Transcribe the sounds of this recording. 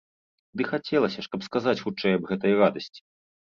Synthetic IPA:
d̪ɨxat͡sʲɛlˠɐsʲɐʂkɐpskazat͡sʲxut͡ʂɛjɐbɣɛt̪ɐjrad̪ɐsʲt͡sʲi̥

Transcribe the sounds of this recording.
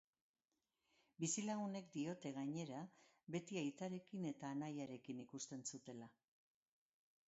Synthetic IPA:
bisilaɣune̞kd̪io̞t̪e̞ɣaɲe̞ɾa | βe̞t̪iajt̪aɾe̞kine̞t̪aːnajaɾe̞kinikust̪e̞nsut̪e̞la

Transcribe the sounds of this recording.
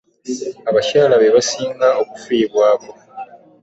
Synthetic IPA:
aβacaːlaβeβasiːŋaokufiːβwaːko

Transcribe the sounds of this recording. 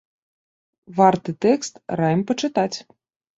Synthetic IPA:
vɑrt̪ɨt̪ɛkst̪rajmpət͡ʃɨt̪at͡sʲ

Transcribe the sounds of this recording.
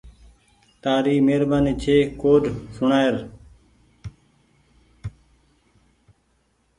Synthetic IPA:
t̪aːɾiːmeːɾbaːniːt͡ʃʰeːkoːdsʊɳaːeɾ

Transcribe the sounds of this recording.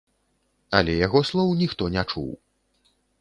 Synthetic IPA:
ɐ̰lʲɛjaɣɔslˠɔwnʲixt̪ɔnʲat͡ʂṵw

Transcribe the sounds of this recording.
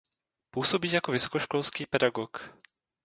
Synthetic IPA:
puːso̞biːjakovɪsokoʃkolskiːpɛdaɡok

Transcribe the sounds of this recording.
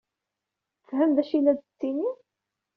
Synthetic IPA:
fhæmðæʃilæd̪t͡sːini

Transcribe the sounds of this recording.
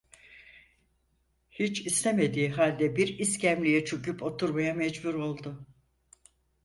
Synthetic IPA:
hit͡ʃist̪eme̞d̪iːɦalʲd̪ɛbiɾiscæmlʲijɛt͡ʃʰocypʰo̞t̪ʰuɾmajamɛd͡ʒbuɾo̞lˠd̪ʊ

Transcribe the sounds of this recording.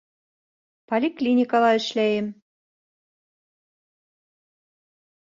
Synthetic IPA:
polʲiklʲinʲikɑlɑɘ̆ʃlæjɘ̆m

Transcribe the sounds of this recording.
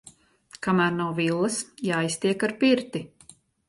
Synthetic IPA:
kamæːɾnawvilˠːɐsjaːjst̪iɛkaɾpiɾt̪i

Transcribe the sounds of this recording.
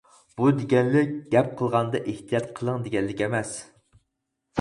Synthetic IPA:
b̥ud̪eɡʲɛnlɪk̚ʲɡ̥ʲɛp̚qʰəlˠʁɑnd̪ɑʔeht̪ʰijɑt̪qʰəlˠəŋd̪eɡʲɛnlɪkʲɛmɛs

